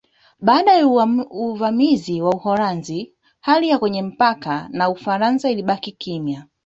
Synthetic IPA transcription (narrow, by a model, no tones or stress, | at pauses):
ɓaːɗajɛuvamiziwauhɔɾanzi | halijakwɛɲɛm̩pakanaufaɾanzailiɓakikimja